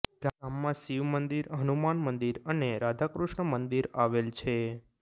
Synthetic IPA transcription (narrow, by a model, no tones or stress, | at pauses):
ɡamːãsiʋmənd̪iɾɦənumanmənd̪iɾəneɾad̪ʱakɾuʃɳəmənd̪iɾaʋelt͡ʃʰe